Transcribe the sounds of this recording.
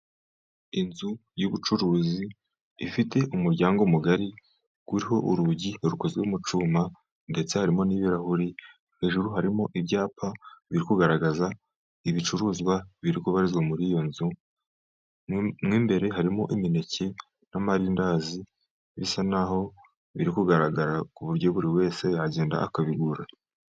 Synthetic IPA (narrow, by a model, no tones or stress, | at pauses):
inzujuβut͡ʃuɾuːziː | fite̞ʔumuɾɟaːŋɡomuɡaɾi | ɡ̥uɾiɦo̞ʔuɾuɟiɾuko̞zɡweumut͡ʃuːma | nde̞t͡se̞haɾimo̞niːβiɾahuɾi | he̞ːʒuɾuɦaɾimo̞ʔibɟaːpaβiɾikuɡaɾaɡaza | iβit͡ʃuɾuːzɡwaβiɾikuβaɾizɡwamuɾijo̞nzu | mŋiːmbe̞ɾe̞ɦaɾimo̞̰ʔimine̞cʰe̞ | namaɾindaːzi | βisanaɦo̞ | βiɾikuɡaɾaɡaɾakuβuɾɟo̞βuɾiwe̞ːse̞aɟeːnda̰ʔːkaβiɡuɾa